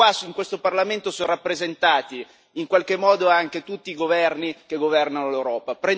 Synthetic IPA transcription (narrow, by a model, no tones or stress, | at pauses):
asiŋkwest̪oparlament̪osonrapːɾezent̪aːt̪iː | ŋkwalk̟emːɔːd̪oaŋk̟et̪ut̪ːiːɡovɛrnikeɡːovɛrnanolewɾɔːpapɾen